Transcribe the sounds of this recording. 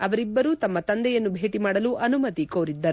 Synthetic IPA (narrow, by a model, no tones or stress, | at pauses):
ɐʋɐɾibːɐɾuːt̪ɐmːɐt̪ɐnd̪ɛjɐnːubʱe̞ːʈimaːɽɐluʔɐnumɐt̪ikoːɾid̪ːɐɾu